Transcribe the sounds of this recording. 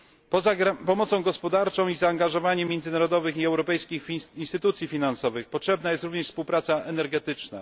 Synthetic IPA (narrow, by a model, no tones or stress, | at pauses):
apɔmɔt̪sɔ̃w̃ɡɔspɔd̪aɾt͡ʂɔ̃w̃izaːŋɡaʐɔvaɲɛmʲːjɛnd̪zɘnaɾɔd̪ɔvɘxiɛwɾɔpɛjskʲixinst̪ɘt̪ut̪sʲjifʲinansɔvɘxpɔtʂɛbnajɛst̪ɾuvɲɛʂfspuwpɾat̪saʔɛnɛɾɡɛt̪ɘt͡ʂna̰